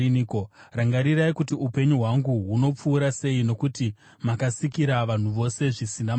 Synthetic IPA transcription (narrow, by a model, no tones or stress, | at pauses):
nkoraŋɡaɾiɾaikutiupe̞ɲuɦwaŋɡuɦuno̞p͡fuːɾase̞ino̞kuti | makasikiɾaʋan̤uʋo̞se̞ʐisinam